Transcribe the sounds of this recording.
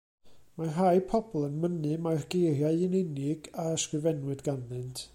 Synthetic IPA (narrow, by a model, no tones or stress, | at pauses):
maɦajpʰɔbɔlˠənmənɨmajrɡ̥ejrjaɨɪnɛnɪɡaskrɨvɛnwɨdɡanðɨntʰ